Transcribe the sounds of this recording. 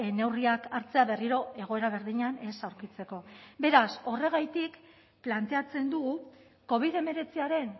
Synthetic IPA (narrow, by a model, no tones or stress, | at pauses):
ene̞wriakaɾt͡se̞aβe̞riɾo̞e̞ɣ̞o̞e̞ɾaβ̞e̞ɾðiɲane̞sawɾkit͡se̞ko̞be̞ɾaso̞re̞ɣ̞ajt̪ik | plant̪e̞at͡se̞nd̪uɣu | ko̞β̞iðe̞me̞ɾe̞t͡siaɾe̞n